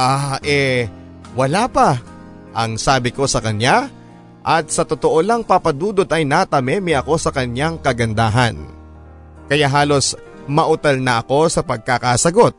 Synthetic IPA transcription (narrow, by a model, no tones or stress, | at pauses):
ʔaʔɛ | wɐlaːpɐ | ʔɐŋsaːbɪko̞sɐkɐɲja | ʔɐt̪̚sɐt̪ot̪oʔo̞lɐŋpapɐd̪uːd̪ot̪ɐjnat̪ɐmɛːmɪʔɐko̞sɐkɐnjaŋkɐɡɐnd̪aːɦɐn | kɐjaɦaːlo̞s | mɐʔʊt̪ɐlnɐɐko̞sɐpɐɡ̚kakasɐɡo̞t̪̚